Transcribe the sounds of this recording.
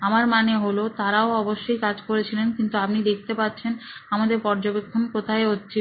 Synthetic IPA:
amaɾmaneɦolot̪aɾaoɔboʃːojkad͡ʑkoɾet͡ɕʰilenkint̪uap̚nid̪ek̚ʰt̪epatːɕʰenamad̪eɾpɔɾd͡ʑobekʰːonkot̪ʰaeotːɕʰi

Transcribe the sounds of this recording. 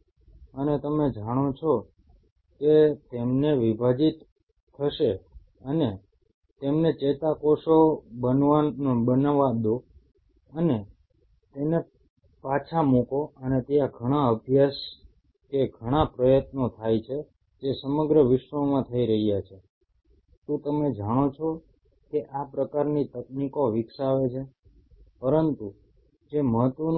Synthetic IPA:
ənet̪əmed͡ʒaɽ̃ot͡ʃʰo | ket̪emneʋibʱad͡ʒit̪ʰː | əʃe | əne | t̪emnet͡ʃet̪akoʃobənʋanobənaʋad̪o | əne | t̪ene | pat͡ʃʰamukoənet̪ijaɡʱəɽ̃aəbʱjas | keɡʱəɽ̃apɾəjət̪not̪ʰajt͡ʃʰe | d͡ʒesəməɡɾəʋɪʃʋəmãt̪ʰəiɾəɦijat͡ʃʰe | t̪ũt̪əmed͡ʒaɽ̃ot͡ʃʰɔ | keʔapɾəkaɾnit̪ək̚nikoʋɪksaʋet͡ʃʰe | pəɾənt̪u | d͡ʒeməɦət̪ʋən

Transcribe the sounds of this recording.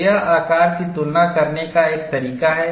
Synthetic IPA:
jaaːkaːɾkit̪ʊlnakɐɾnekaeːk̚t̪ɐɾiːkaɦɛː

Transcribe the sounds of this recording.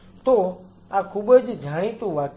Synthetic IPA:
t̪o | akʰubəd͡ʒd͡ʒʱaːɽ̃ĩt̪ũʋaːk

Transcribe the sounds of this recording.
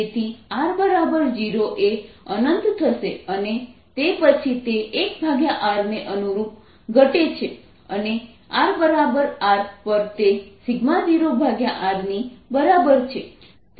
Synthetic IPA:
t̪ʰiaɾbəɾabəɾd͡ʒiɾoʔeənənt̪t̪ʰəʃeənet̪epət͡ʃʰit̪eːkbʱaɡjaʔaɾneʔənuɾup̚ | ɡʱəʈet͡ʃʰe | əne | aɾbəɾabəɾaɾpəɾt̪esiɡmad͡ʒiɾobʱaɡjaʔaɾnibəɾabəɾt͡ʃʰe

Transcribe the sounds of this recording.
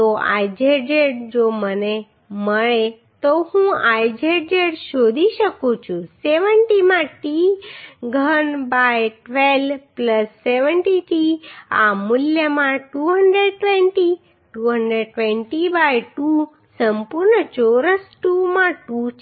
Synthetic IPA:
t̪oa̰jd͡ʒed͡ʒeʈ̚d͡ʒoməne | məɭe | t̪ohũajd͡ʒed͡ʒeɽʃod̪ʱiʃəkũt͡ʃʰũseʋəɳʈimãʈi | ɡʱənbajʈʋelpləsːeʋəɳʈiʈia̰mʊljəmãʈuɦəɳɖɾeɖʈʋeɳʈi | ʈuɦəɳɖɾeɖ̚ʈʋẽɳʈibajʈu | səmpuɾnət͡ʃoɾəsʈumãʈut͡ʃ

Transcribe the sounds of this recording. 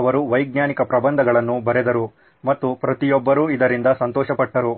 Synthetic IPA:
ʋɐɾuʋɐjɡ̚ɲjaːnikɐpɾɐbɐnd̪ʱɐɡɐɭɐnːubɐɾɛd̪ɐɾu | mɐt̪ːupɾɐt̪ijɔbːɐɾuːid̪ɐɾind̪ɐsɐnt̪ɔːʃɐpɐʈːɐɾu

